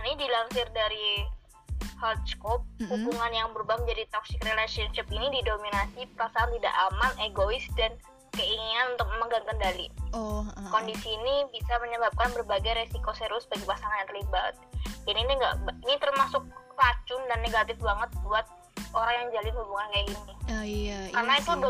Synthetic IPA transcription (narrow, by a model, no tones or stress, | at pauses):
anidilaŋsɪrdaɾi | hɔd̪skɔp̚hubuŋanjaŋbəɾubahməɲd͡ʒadit̪ɔksɪkrelasiɔnʃɪpinididominasipəɾasaant̪ida̰ʔamaneɡoɪsdan | kəiŋinanunt̪ʊk̚məməɡaŋkəndalḭ | kondisiːnibisaməɲəbap̚kanbərbaɡajɾesikoseɾʊsbaɡipasaŋanjaŋt̪ərlibat̪̚daniniŋɡa̰ʔbinit̪ərmasʊk̚pat͡ʃʊndanːeɡat̪ɪfbaŋət̪̚buat̪̚ | oɾaŋjaŋd͡ʒalɪnhubuŋankajaini | karnait̪u